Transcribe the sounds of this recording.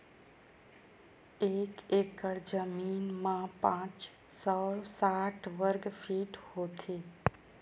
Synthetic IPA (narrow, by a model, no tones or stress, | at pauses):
ekekəɽd͡ʒəminmãpãt͡ʃ | səɭsaʈʰʋəɾɡfʰiʈhot̪ʰe